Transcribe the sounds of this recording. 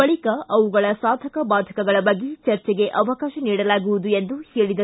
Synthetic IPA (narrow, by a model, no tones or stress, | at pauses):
bɐɭikɐʔɐʋuɡɐɭɐsaːd̪ʱɐkɐbaːd̪ʱɐ̥kɐɡɐɭɐbɐɡːit͡ʃɐɾt͡ʃɛɡe̞ʔɐʋɐkaːʃɐniːɽɐlaːɡuʋud̪ue̞nd̪uhe̞ːɭid̪ɐ